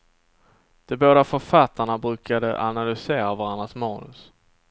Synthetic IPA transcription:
d̪̥ɛboːd̪afœɾfat̪ʰːaɳabɾʉ̟ːkad̪ə̰ʔa̰nalʏseːɾavaɾand̪ɾasmɑːnɵ̰s

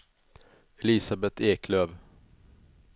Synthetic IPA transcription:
ɛlɪsabɛt̪ʰeːkʰløːv

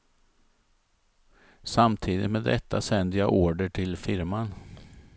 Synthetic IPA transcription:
samt̪ʰiːd̪ɪ̰t̪meːd̪ːɛt̪ʰːasɛnd̪əjɑʔoːɖəʈʰɪlfɪɾman

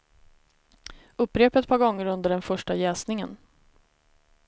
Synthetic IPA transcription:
ɵpːɾeːpɛt̪̚pʰɑːɾɡɔŋːəɾɵnd̪əɖɛnfœʂʈajɛːsnɪŋən

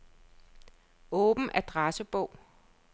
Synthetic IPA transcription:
ɔ̽ːb̥n̩ʔæd̥ʁɑsəb̥ɔʊ̰

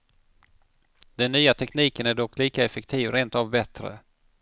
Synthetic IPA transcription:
d̪ɛnːyːat̪ʰɛkniːkənæɖɔkːliːkaɛfɛk̚t̪ʰiːvɾeːnt̪avbɛt̪ɾə̰

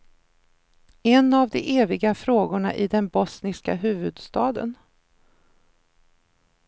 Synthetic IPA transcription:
ɛnavd̪ɛʔeːvɪɡafɾoːɡʊɳa̰ʔɪd̪ɛnbɔsnɪska̰ɦʉ̟ːvɵd̪st̪ɑːd̪ə̰n

